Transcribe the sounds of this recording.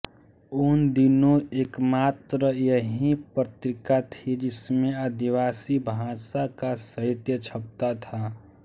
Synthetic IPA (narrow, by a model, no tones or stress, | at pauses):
ʊnd̪inõeːkmaːt̪ɾəjəɦĩpɾət̪ɾɪkat̪ʰid͡ʒɪsmẽəd̪iʋaːsibʱãːsakasəɦɪt̪jət͡ʃʰəp̚t̪at̪ʰa